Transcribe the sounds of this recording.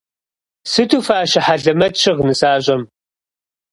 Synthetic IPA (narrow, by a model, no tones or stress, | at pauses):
sɨtʰuːfaːʃɪħaɮɐmɐtʃɪʁnɨsaːʑʼɐm